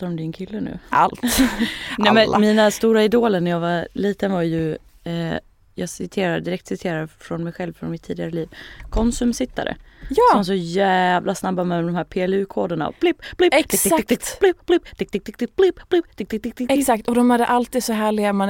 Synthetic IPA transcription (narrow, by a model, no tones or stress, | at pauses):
aɾɔmd̪ɪnkʰɪlːənʉ̟̰ːalt̪ | nɛmɛnmiːnast̪uːɾaɪd̪oːləɳɛjaːɡvaliːt̪ənvaɾjɵ | jɑːɡsɪt̪ʰeːɾad̪d̪ɪɾɛk̚t̪sɪt̪ʰeːɾad̪fɾɔnmɛjɧɛlvfɾɔ̰nmɪt̪ʰːiːd̪ɪɡaɾəliːvkʰɔnsɵmsɪt̪ːa̰ɾə̰jːvas̬ɔjævlasnabːaɾmɛlamd̪ɔmhæːɾpʰeːɛlʉ̟ːkʰoːd̪əɳa̰ɔ̰b̥lɪpːb̥lɪ̥lɪpb̥lɪp̚t̪ɪk̚t̪ɪk̚t̪ɪk̚t̪ɪblɪpb̥lɪpt̪ɪk̚t̪ɪk̚t̪k̚t̪ɛsak̚t̪ɔd̪ɔmhad̪əʔalt̪iːd̪sɔɦæːɭɪɡaman